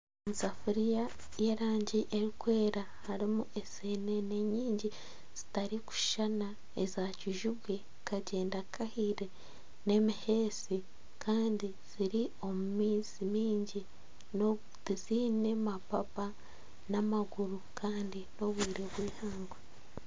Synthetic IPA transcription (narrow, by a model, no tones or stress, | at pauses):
omusafuɾija | je̞ɾaːɲɟiʔeɾikwe̞ːɾa | haɾimuʔe̞sene̞ne̞ɲiːɲɟi | z̥i̥taɾiku̥ʃʃana | ezaciʒuβwe̞ | kʰaɟe̞ːndakʰahiɾe | ne̞mihe̞ːsi | kʰaːndi | z̥iɾio̞mumiːzimiːɲɟi | n | iziːne̞mapapa | namaɡuɾukʰaːndino̞βwiːɾeβwiːhaːŋɡwe